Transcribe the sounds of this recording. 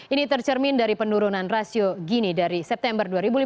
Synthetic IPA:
ʔinit̪ərt͡ʃərmindaɾipənduɾunanrasioɡinidaɾisɛp̚t̪ɛmbərduaɾibuli

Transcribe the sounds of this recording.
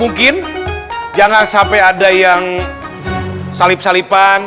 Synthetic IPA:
muŋkɪn | d͡ʒaŋansampɛadajaŋ | salɪp̚salipan

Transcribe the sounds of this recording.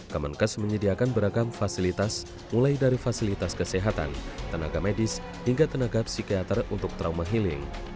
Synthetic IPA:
kamankəsməɲədiakanbəɾaɡamfasilit̪as | mulajdaɾifasilit̪askəseɦat̪a̰nt̪əna̰ɡamɛdɪs | hiŋɡat̪ənaɡapsikiat̪ərunt̪ʊk̚t̪ɾaumaɦilɪŋ

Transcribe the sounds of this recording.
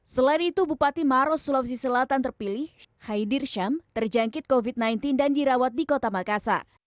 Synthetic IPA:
səlainit̪ubupat̪imaɾɔsulɔpsisəlat̪ant̪ərpilɪhhajdɪrʃamt̪ərd͡ʒaŋkɪt̪̚kovit̪̚najnt̪ɪndandiɾawat̪̚dikot̪amakasa̰

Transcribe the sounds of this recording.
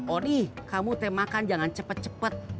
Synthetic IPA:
odikamut̪emakand͡ʒaŋant͡ʃəpət̪̚t͡ʃəpət̪̚

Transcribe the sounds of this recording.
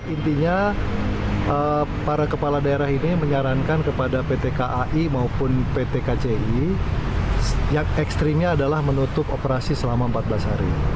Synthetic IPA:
int̪iɲa | əpaɾakəpaladaeɾaɦiniməɲaɾankankəpadapet̪ekaʔaʔimaupʊnpet̪ekat͡ʃei | jaŋɛkst̪ɾimɲaːdalahmənut̪ʊpopəɾasisəlamaəmpat̪̚blashaɾḭ

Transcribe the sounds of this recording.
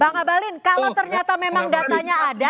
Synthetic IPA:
baŋabalɪnkalawt̪ərɲat̪amemaŋdat̪aɲaːda

